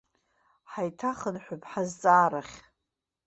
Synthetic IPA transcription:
ħajtʰaχənħʷʊpʰʼħazt͡sʼaːɾaχʲ

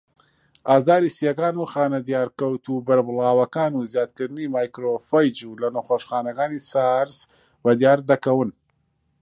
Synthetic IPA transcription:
ʔaːzaːɾisijɐkaːnuxaːnɐd̪ijaːɾkɐwt̪ubɐɾbɨlaːwɐkaːnuzjaːt̪̚kɨɾɨnimaːjkɾofɐjd͡ʒulɐnɐxoːʃxaːnɐkaːnisaɾz | bɐd̪ijaːɾd̪ɐkɐwɨn

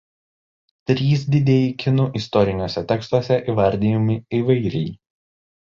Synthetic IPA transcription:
t̪ʲɾʲiːs̬d̪ʲɪd̪ʲeːjɪkʲɪnʊʔɪst̪ɔɾʲɪnʲoːsʲɛt̪ʲɛkst̪uɔsʲɛʔiˑʋɐɾʲd̪ʲijɔmʲɪiʋɐɪɾʲɛɪ

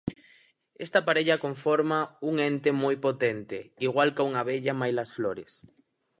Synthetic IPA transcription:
est̪apaɾeʎɐkoɱfoɾmauŋent̪emɔjpot̪ent̪eiɣ̞walkauŋaβeʎamajlɐsfloɾes

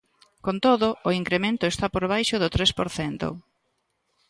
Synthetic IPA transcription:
kont̪oðʊʔːiŋkɾemẽnt̪ʊest̪apoɾβ̞ajʃʊðʊt̪ɾespoɾθɛnt̪ʊ̰

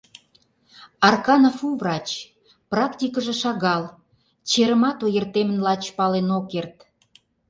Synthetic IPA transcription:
ɑrkɑnafuvrɑt͡ɕ | prɑkt̪ʲikəʒĕʃɑɣɑl | t͡ɕeɾə̆mɑt̪ojərt̪emə̆nlɑt͡ɕpɑlenokert̪

